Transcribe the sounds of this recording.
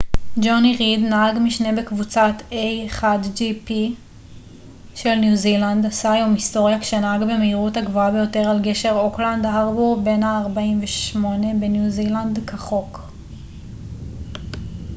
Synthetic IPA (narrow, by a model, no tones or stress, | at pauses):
d͡ʒoniʁidnaaɡmiʃne̞be̞kvut͡satejeχadd͡ʒipi | ʃe̞lnjuzilandasaajo̞misto̞ʁjakʃenaaɡbe̞meiʁuthaɡvoabe̞jo̞te̞ʁalɡe̞ʃe̞ʁo̞kland̪aaʁbuʁbe̞nhaːʁbaimveʃmo̞ne̞be̞njuzilandkaχo̞k